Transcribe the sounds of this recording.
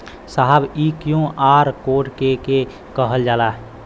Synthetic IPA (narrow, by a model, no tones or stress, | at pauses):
saɦəbikjõʔaːɾkoːʈkeke | kəɦəld͡ʒaːlaɦ